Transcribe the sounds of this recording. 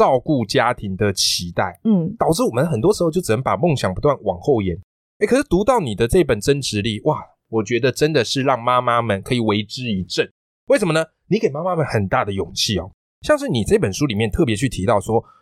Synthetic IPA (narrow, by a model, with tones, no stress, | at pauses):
ɑ˥˧ʊku˥˩t͡ɕja˥t̪ʰi˧˥ŋd̪ə˨t͡ɕʰi˧˥t̪a˥˩ɪ˥t̪ɑ˨˩ʊʈ͡ʂɻ̩˥˩wɔ˨˩mə˦nxə˨˩nt̪wɔ˥ʂɻ̩˧˥xt͡ɕjo˥˩ʊʈ͡ʂ̩˨˩nə˧˦ŋpa˨˩mɔ˥˨ŋɕjɑ˨˩ŋpu˧˥t̪wa˥˩nwɑ˨˩ŋxo˥˩ʊjɛ˧˥n | e˥˩kʰʂɻ̩˥˩t̪u˧˥t̪ɑ˥˩ʊni˨˩d̪ə˦ʈ͡ʂɤ˥˧i˥pə˨˩nʈ͡ʂə˥nʈ͡ʂɻ̩˧˥li˨˩˦wʔa˥˩ | wɔ˨˩t͡ɕɥɛ˧˥d̪ə˨ʈ͡ʂə˦nd̪ə˨ʂɻ̩˥˧ɻɑ˥˩ŋma˥ma˥mə˨nkʰɤ˧˥i˨˩we˧˥ɪʈ͡ʂɻ̩˥i˧˥ʈ͡ʂə˥˩n | we˥˩ʂ̬ə˧˦mə˧nə˧ | ni˧˥ke˨˩ɪma˥ma˦˥mə˨˦nxə˨˩nt̪a˥˩d̪ə˩jʊ˨˩ŋt͡ɕʰi˥˩ɔ̰˨˩ | ɕjɑ˥˧ŋʂɻ̩˥˩ni˨˩t͡sa˥˩i˥pə˨˩nʂu˥li˨˩mjɛ˥˧nt̪ʰɤ˥˩pjɛ˧˦t͡ɕʰy˥˩t̪ʰi˧˥t̪ɑ˥˩ʊswɔ˥